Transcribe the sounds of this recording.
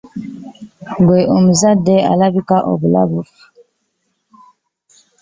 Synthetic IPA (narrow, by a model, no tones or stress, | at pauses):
beʔom̩zadɛa̰labikaʔo̰bula̰buf